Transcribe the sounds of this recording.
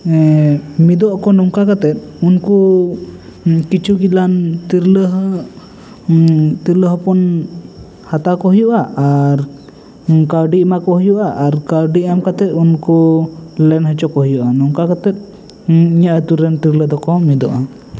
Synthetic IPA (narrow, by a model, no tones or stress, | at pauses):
mid̪ɔʔakɔnɔŋkakat̪ɛt̪̚unku | kit͡ʃuɡilant̪iɾləɦ | t̪iɾləɦɔpɔn | hat̪akɔɦɔjɔʔaʔaɾ | kaɾɖiʔmakɔɦɔjɔʔaʔaɾkaɾɖiʔamkat̪ɛt̪̚unkulɛnhət͡ʃɔkɔɦɔjɔʔanɔŋkakat̪ɛt̪̚ˀ | iɲaʔət̪uɾənt̪iɾləd̪ɔkɔmid̪ɔ̰ʔa